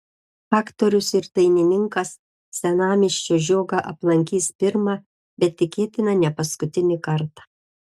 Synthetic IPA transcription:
fɑːkt̪oɾʲʊsɪɾt̪ɐɪnʲɪnʲɪŋkɐsːʲ | ɛnɑːmʲɪʃʲt͡ʃʲoːʒʲoːɡɑʔɐplˠɐŋʲkʲiːspʲɪɾmɑ | bʲɛt̪ːʲɪkʲeːt̪ʲɪnɐnʲɛpɐskʊt̪ʲɪnʲɪkɐɾt̪ɑ̥ː

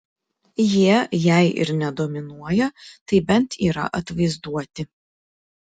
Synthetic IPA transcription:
jiɛjæɪʔɪ̰ɾnʲɛd̪oːmʲɪnuɔjɛt̪ɐɪbʲɛnt̪ʰiːɾɐ̰ʔɐt̪ʋɐɪzd̪uɔt̪ʲɪ

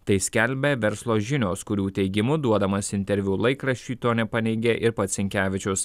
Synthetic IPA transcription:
t̪ɐɪsʲkʲɛlʲbʲeʋʲɛɾslˠoːʒʲɪnʲoːskʊɾʲuːt̪ʲɛɪɡʲɪmʊd̪uɔd̪ɐmɐsɪnʲt̪ʲɛɾʲʋʲulˠɐɪkɾɐʃʲt͡ʃʲuːˑt̪oːnʲɛpɐnʲɛɪɡʲeʔɪɾpɐt̪sʲɪŋʲkʲæːʋʲɪt͡ʃʲʊs

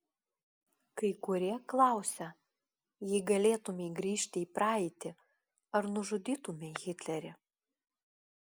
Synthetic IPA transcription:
kɐɪkʊɾʲiɛklˠɑˑʊsʲɛ | jɪɪɡɐlʲeːt̪ʊmʲɛɪɡɾʲiːʃʲt̪ʲɪiːpɾɑːɛɪt̪ʲɪ | ɐɾnʊʒʊd̪ʲiːt̪ʊmʲeɣʲɪt̪ʲlʲɛɾʲɪ

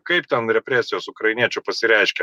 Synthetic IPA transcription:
kɐɪp̚t̪ʲɛnɾʲɛpʲɾʲæsʲɪjoːsʊkɾɐɪnʲiɛt͡ʃʲuːpɐsʲɪɾʲɛɪʃʲkʲɛ

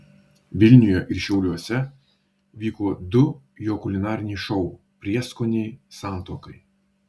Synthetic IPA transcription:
ʋʲɪlʲnʲʊjɛʔɪɾʃʲɛʊlʲuɔsʲɛ | ʋʲiːkoːd̪ʊ | joːkʊlʲɪnɑːɾʲɪnʲɛʃɔʊ | pʲɾʲiɛskonʲɛɪsɑːˑnt̪oːkɐɪ

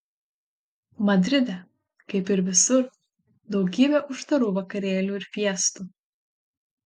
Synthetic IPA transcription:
mɐd̪ʲɾʲɪd̪ʲɛ | kɐɪpɪɾʋʲɪsʊɾ | d̪ɒʊɡʲiːbʲɛʔʊʃt̪ɐɾuːʋɐkɐɾʲeːlʲuːɪɾpʲiɛst̪uː

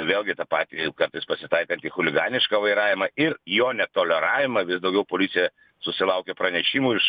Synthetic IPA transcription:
ʋʲeːlˠɡʲɪt̪ɐpɑːt̪ʲikɐrt̪ɐɪspɐsʲɪt̪ɐɪkɐnt̪ixʊlʲɪɡɑːnʲɪʃkɐʋɐɪɾɑːʋʲɪmɐɪɾjoːnʲɛt̪oːlʲɛɾɑːʋʲɪmɐʋʲɪsd̪ɐʊɡʲɛʊpoːlʲɪt̪sʲɪjɛ | sʊsʲɪlˠɐʊkʲɛpɾɐnʲɛʃʲimuːɪʃ

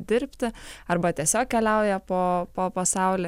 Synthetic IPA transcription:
d̪ʲɪɾʲpʲt̪ʲɪɐɾbɐt̪ʲiɛsʲoːk̚kʲɛlʲɛʊjɛpoːpoːpɐsɐʊlʲɪ

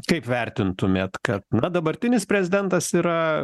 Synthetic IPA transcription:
kɐɪpʋʲɛɾʲt̪ʲɪnt̪ʊmʲeːt̪kɐt̪nɐd̪ɐbɐɾʲt̪ʲɪnʲɪspʲɾʲɛzʲɪd̪ʲɛnt̪ɐsiːɾɐ

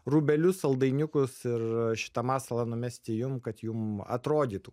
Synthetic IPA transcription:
ruːbʲɛlʲʊsɐlˠd̪ɐɪnʲʊkʊsɪɾʃʲɪ̥t̪ɐmɑːsɐlˠɐnʊmʲɛsʲt̪ʲɪjʊmkɐt̪jʊmɐ̰t̪ɾoːd̪ʲiːt̪uː

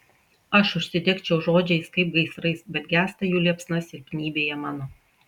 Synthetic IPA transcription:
ɐʃʊʃʲsʲɪd̪ʲekt͡ʃʲɛʊʒoːd͡ʒʲɛɪskɐɪp̚ɡɐɪsɾɐɪsbʲɛt̪̚ɡʲæːst̪ɐjuːlʲiɛpsnɐsɪɾʲkʲnʲiːbʲeːjɛmɑːnoː

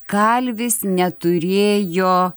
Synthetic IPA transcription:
kɐlʲʋʲɪsnʲɛt̪ʊɾʲeːjoː

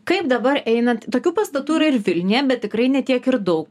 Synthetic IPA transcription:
kɐɪpd̪ɐbɐɾɛɪnɐt̪oːkʲuːpɐst̪ɐt̪uːɪɾɐɪrʋʲɪlʲnʲɪjɛbʲɛt̪̚ʲtʲɪkɾɐɪnʲɛt̪ʲiɛkɪɾd̪ɐʊk

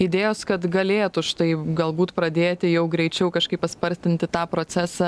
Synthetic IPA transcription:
ɪd̪ʲeːjoːskɐt̪ɡɐlʲeːt̪ʊʃt̪ɐɪɡɐlˠbuːt̪pɾɐd̪ʲeːt̪ʲɪjɛʊɡɾʲɛɪt͡ʃʲɛʊkɐʃkɐɪppɐspɐɾʲsʲt̪ʲɪnʲt̪ʲɪt̪ɑːpɾoːt͡s̪ʲæssɑ

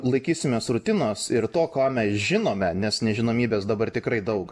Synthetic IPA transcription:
lˠɐɪkʲiːsʲɪmʲeːsrʊt̪ʲɪnoːsɪrt̪oːkoːmʲɛsʒʲɪnoːmʲɛnʲɛsnʲɛʒʲɪnoːmʲiːbʲeːsd̪ɐbɐrt̪ʲɪkɾɐɪd̪ɐʊk

